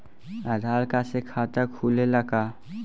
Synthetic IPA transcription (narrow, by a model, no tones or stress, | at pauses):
ad̪ʱaːlkasekʰaːt̪əkʰuːleləka